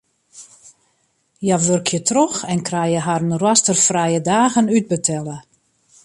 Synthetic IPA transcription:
jaʋørkʰjətrɔxɛnkrajəɦarənrwastərfrajədaːɣənyt̚bətʰɛlə

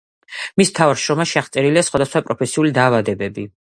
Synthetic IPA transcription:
mist̪ʰavaɾʃɾɔmaʃiaʁt̪sʼɛɾiliasχwad̪asχwapʼɾɔpʰɛsiulid̪aːvad̪ɛbɛbi

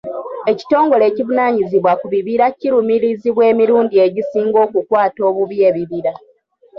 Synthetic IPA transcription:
e̞ci̥to̞ːŋɡo̞le̞ːcivunaːɲiziβwakuβiβiɾaciɾumiɾiziβwe̞ːmiɾuːndie̞ɟisiːŋɡo̞ːkukwaːto̞ːβuβje̞ːβiβiɾa

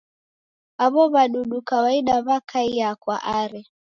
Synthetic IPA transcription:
aβɔβaɗuɗukawaiɗaβakʰaijakwa̰ʔaɾɛ

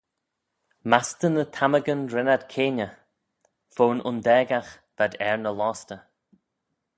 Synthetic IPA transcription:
mast̪ənət̪ʰaməɡənɾɛnad̪kʰeːnə | v̥oːnʔʊ̰nd̪ɛːɡax | d̪̥adɛɹnəlɔːst̪ə

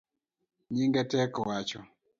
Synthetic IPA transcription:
ɲiŋɡɛtɛkɔwat͡ʃɔ

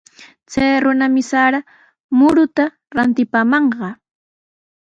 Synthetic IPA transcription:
t͡sajɾʊnamɪsaɾa | mʊɾʊt̪a | ɾant̪ɪpaːmɑɴɢɑ

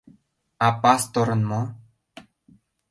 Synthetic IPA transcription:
apast̪oɾɤ̆nmo

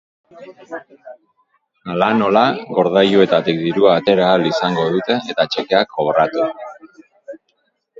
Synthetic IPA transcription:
alano̞laɡo̞ɾð̞ajue̞t̪at̪ikd̪iɾuaːt̪e̞ɾaːlisaŋɡo̞ðut̪e̞ːt̪at͡ʃe̞ke̞akʰːoβɾat̪u

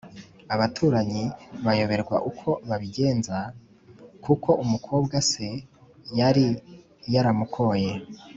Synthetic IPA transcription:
aβatʰuːɾaɲiβajo̞βe̞ɾɡwa̰ʔukʰo̞βaβiɟe̞ːnza | kʰukʰo̞ʔumukʰoːbɡase̞ | jaɾi | jaɾamukʰo̞je̞

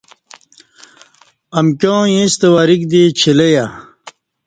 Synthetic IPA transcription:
ɐmkʲjõːjẽst̪ewaːɾikd̪it͡ɕʰileja

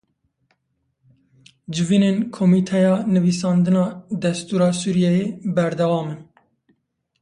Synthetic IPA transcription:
d͡ʒɪviːnenkʰomiːt̪ʰɛjɑːnɨviːsɑːnd̪ɨnɑːd̪ɛst̪uːɾɑːsuːɾijɛjeːbɛɾd̪ɛwɑːmɨn

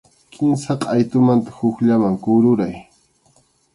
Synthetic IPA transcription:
kʰɪnsɑqajt̪ʊmant̪ḁhʊkʎamaŋkʊɾʊɾaj

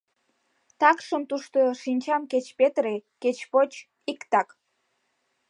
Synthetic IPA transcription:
t̪ɑkʃəmt̪uʃt̪oʃinʲt͡ɕɑmket͡ɕpet̪reket͡ɕpot͡ɕ | ikt̪ɑk

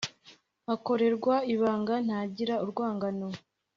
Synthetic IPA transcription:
ako̞ɾe̞ɾɡwaiβaːŋɡan̥haːɟiɾauɾɡwaːŋɡano

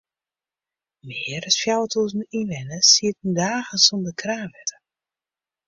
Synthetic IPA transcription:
mɪərəsfjawətʰozninʋɛnəsiətnydaːɣəsɔndəkʰraːnʋɛtə̥

